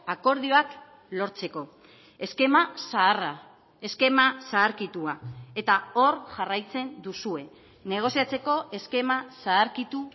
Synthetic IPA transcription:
ako̞ɾðio̞ak | lo̞ɾt͡se̞ko̞ | e̞ske̞masaːra | e̞ske̞masaːɾkit̪uae̞t̪ao̞ɾʝarajt͡se̞nd̪usue̞ | ne̞ɣ̞o̞siat͡se̞ko̞e̞ske̞masaːɾkit̪u

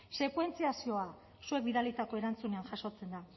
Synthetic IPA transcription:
se̞kwe̞nt͡siasio̞a | sue̞kbiðalit̪ako̞e̞ɾant͡sune̞anʝaso̞t͡se̞nd̪a

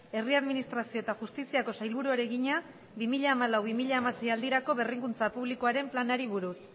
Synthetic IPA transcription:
e̞riaðminist̪ɾasio̞e̞t̪axust̪isiako̞sajlβuɾuaɾe̞ɣiɲa | bimiʎaːmalawβimiʎaːmase̞jald̪iɾako̞βe̞riŋkunt͡sapuβliko̞aɾe̞mplanaɾiβuɾus

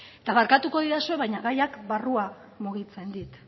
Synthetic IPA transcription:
et̪aβaɾkat̪uko̞ðiɾasue̞βajɲaɣajakbarua | muɣit͡se̞nd̪it̪

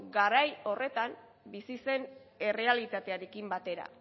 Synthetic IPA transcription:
ɡaɾajo̞re̞t̪am | bisise̞ne̞re̞alit̪at̪e̞aɾe̞kimbat̪e̞ɾa̰

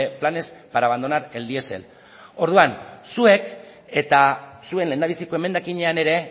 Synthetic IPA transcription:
plane̞spaɾaβ̞and̪o̞naɾe̞ld̪ie̞se̞̰l | o̞ɾðuansue̞k | e̞t̪asue̞nle̞nd̪aβ̞isiko̞e̞me̞nd̪akiɲe̞ane̞ɾe̞

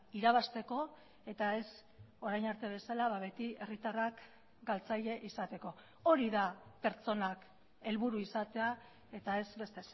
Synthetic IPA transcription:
iɾaβ̞ast̪e̞ko̞ | e̞t̪ae̞s | o̞ɾajnaɾt̪e̞β̞e̞salaβaβe̞t̪ie̞rit̪arak | ɡalt͡saʎe̞ʔisat̪e̞ko̞ | o̞ɾiðape̞ɾt͡so̞nak | e̞lβuɾuisat̪e̞a | e̞t̪ae̞zbe̞st̪e̞s

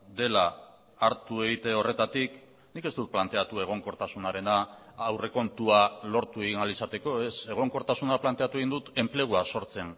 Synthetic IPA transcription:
d̪e̞la | aɾt̪ue̞ɣit̪e̞o̞re̞t̪at̪ik | nike̞zt̪ut̪plant̪e̞at̪ue̞ɣ̞o̞ŋko̞ɾt̪asunaɾe̞naːwre̞ko̞nt̪ualo̞ɾt̪ueɣinalisat̪e̞ko̞e̞se̞ɣ̞o̞ŋko̞ɾt̪asunaplant̪e̞at̪ue̞ɣind̪ut̪e̞mple̞ɣ̞uaso̞ɾt͡se̞n

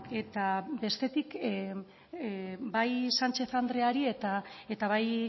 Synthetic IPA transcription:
e̞t̪abe̞st̪e̞t̪ik | bajsant͡ʃe̞θand̪ɾe̞aɾie̞t̪ae̞t̪aβaj

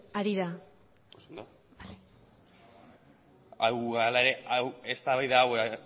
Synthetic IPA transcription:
aɾiɾa | osond̪o | bale | awɣaɾlae̞ɾe̞awest̪aβajðaːw

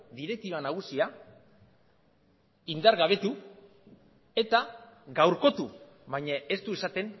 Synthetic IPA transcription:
d̪iɾe̞k̚t̪iβanaɣ̞usia | ind̪aɾɣaβ̞e̞t̪u | e̞t̪aɡawɾko̞t̪u | βajɲae̞st̪uesat̪e̞n

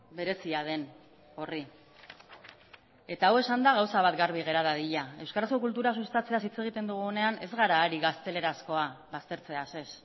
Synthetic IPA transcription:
be̞ɾe̞siað̞e̞n | o̞ri | e̞t̪aːwe̞sand̪aɣawsaβat̪ɡaɾβ̞iɣe̞ɾaðaðiʎae̞wskaɾasko̞kult̪uɾasust̪at͡se̞asit͡se̞ɣ̞it̪e̞nd̪uɣ̞uone̞ane̞zɣaɾaːɾiɣast̪e̞le̞ɾasko̞aβast̪e̞ɾt͡se̞ase̞s

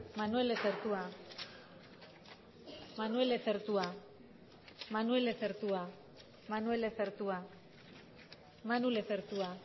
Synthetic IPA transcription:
manue̞leseɾt̪ua | manue̞leseɾt̪ua | manue̞leseɾt̪ua | manue̞leseɾt̪ua | manuleseɾt̪ua

